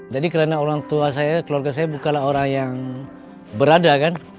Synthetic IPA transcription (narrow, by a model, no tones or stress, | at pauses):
d͡ʒadikəɾanaoɾaŋt̪uasajakəluarɡasajabukalaɦoɾaŋjaŋ | bəɾadakan